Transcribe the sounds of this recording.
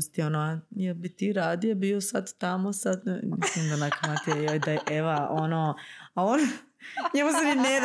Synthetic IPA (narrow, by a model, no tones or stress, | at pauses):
st̪ionoajelbit̪iːɾaːd̪iobiosad̪t̪amosad̪mislimd̪anakamat̪iajojd̪aeʔeʋaʔonoːaon | ɲemusenine